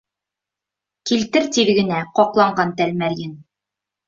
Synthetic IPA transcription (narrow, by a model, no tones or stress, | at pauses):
kilt̪ɘɾt̪iɾɡɘ̆næqɒqlˠɑɴɢɑnt̪ælmæɾjɘn